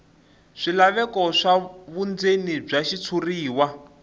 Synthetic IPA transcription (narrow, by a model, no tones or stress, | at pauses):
ʂilaβɛkɔʂaβund͡zenib͡ʐaʃit͡sʰuriːwa